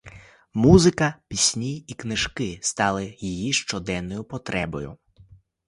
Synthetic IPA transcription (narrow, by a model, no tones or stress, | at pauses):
muzɪkɐpʲisʲnʲiiknɪʒkɪst̪ɑlˠɪjijiʃt͡ʃɔd̪ɛnːɔjʊpɔt̪ɾɛbɔjʊ̰